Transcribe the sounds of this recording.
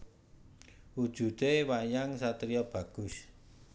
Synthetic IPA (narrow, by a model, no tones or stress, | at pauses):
wud̥ʒ̥ṳt̪ewajaŋsat̪ɾiɔb̥ä̤ɡ̥ʊ̤s